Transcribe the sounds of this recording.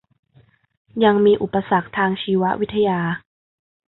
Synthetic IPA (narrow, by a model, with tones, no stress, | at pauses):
ja˧ŋmiː˧ʔu˨˩pːa˧sa˨˩k̚t̪ʰaː˧ŋt͡ɕʰiː˧wa˦˥wi˦˥t̪ʰːa˧jaː˧